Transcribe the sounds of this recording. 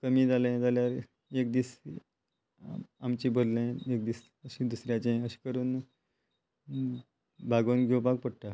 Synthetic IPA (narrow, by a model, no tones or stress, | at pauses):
kəmiːd͡zalẽd͡zaljaɾ | ek̚d̪iːs | amt͡ɕiːbʱod̪lẽekd̪iːs | əɕiːd̪usɾjat͡ɕẽəɕi̥ːkəɾuːn | bʱaɡʋənɡʱewpak̚pəɽʈa